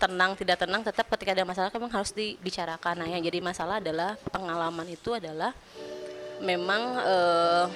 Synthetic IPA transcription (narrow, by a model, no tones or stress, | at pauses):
t̪ənaŋt̪idak̚t̪ənaŋt̪ət̪ap̚kət̪ikadamasalahkmemaŋɦaɾʊsdibit͡ʃaɾakanajad͡ʒadimasalaadalahpəŋalamanit̪uadalah | memaŋəː